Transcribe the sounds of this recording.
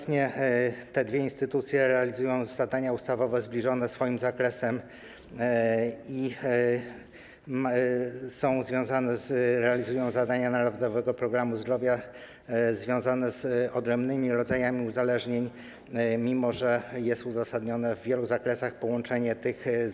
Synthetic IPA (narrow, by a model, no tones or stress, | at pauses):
ɲɛt̪ɛd̪vʲjɛinst̪ɘt̪ut̪sʲjɛɾɛalʲizujɔ̃w̃zad̪aɲaust̪avɔvɛzblʲiʐɔnɛsfɔjimzakɾɛsɛm | i | sɔ̃w̃zvʲjɔ̃zanɛzɾɛalʲizujɔ̃w̃zad̪aɲanaɾɔvd̪ɔvɛɡɔpɾɔɡɾamuzd̪ɾɔvʲja | zvʲjɔ̃w̃zanɛzɔd̪ɾɛmbnɘmʲiɾɔd̪zajamʲiuzalɛʐɲeɲ | mʲimɔʐɛjɛst̪uzasad̪ɲɔnɛvːʲjɛluzakɾɛsaxpɔwɔnt͡ʂɛɲɛt̪ɘx